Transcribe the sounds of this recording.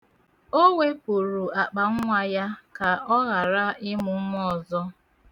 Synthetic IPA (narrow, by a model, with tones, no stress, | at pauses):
o˦wʷe˦pu˨ɾu˨a˨k͡pa˨ŋ̩˦ŋʷa˨ja˦ka˨ɔ˦ɣa˨ɾa˦ɪ˦mʊ˨˦mɔ˦˨zɔ˦